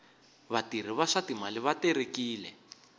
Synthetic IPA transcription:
βatir̤iβaʂatimaliβateɾekiːlɛ

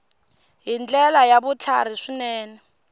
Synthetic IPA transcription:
ɦind͡ɮɛlajaβut͡ɬʰa̰ɾ̤iʂinɛːnɛ

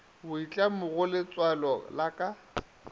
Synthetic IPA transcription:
bʊit͡ɬʼamʊɣʊlɪt͡sʼwalɔlakʼa

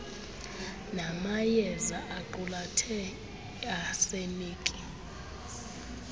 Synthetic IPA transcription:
namajɛzaʔaǃulatʰɛ | asemiːkʼi

